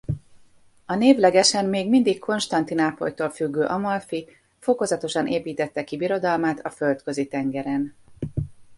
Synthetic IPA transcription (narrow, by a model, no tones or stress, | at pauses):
ɒneːvlɛɡɛʃɛnːeːɡmind̪ikkʰo̞nʃt̪ɒnt̪inaːpo̰jt̪oːlfyɡːøːʔɒmɒlfi | fo̞ko̞zɒt̪o̞ʃɒnʔeːpiːt̪ɛt̪ːɛkibiɾo̞d̪ɒlmaːt̪ʰɒfølt̪kø̞zit̪ɛŋɡɛɾɛn